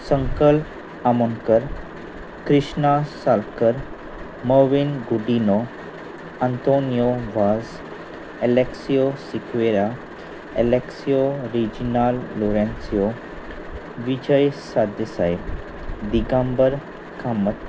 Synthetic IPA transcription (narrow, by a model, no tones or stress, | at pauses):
səŋkəlp | amonkəɾ | kɾiɕnasalkəɾ | məʋinɡuɖino | ant̪onijoʋaz | eleksiosikʰʋeɾa | eleksijoɾid͡ʑinalːoɾẽnsio | ʋid͡ʑəjsad̪əsaj | d̪iɡãmbəɾ | kʰamət̪